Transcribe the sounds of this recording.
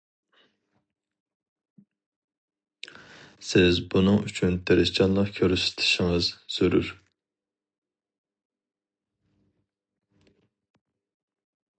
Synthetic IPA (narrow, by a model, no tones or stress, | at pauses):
sɪzbunɨŋyt͡ʃʰynt̪ʰeɾɪst͡ʃɑnlˠɑqkʲʰøɾsɪ̥t̪ʰɪ̥ʃiŋɨzsyɾy̰ɾ